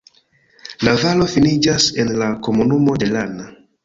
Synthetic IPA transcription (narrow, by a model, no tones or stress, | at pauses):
lavalo̞finid͡ʒase̞nlako̞munumo̞de̞lana